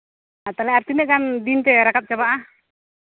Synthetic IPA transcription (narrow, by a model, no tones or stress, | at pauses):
at̪alɛaɾt̪inɛɡand̪int̪ɛɾakat̪̚t͡ʃabaʔa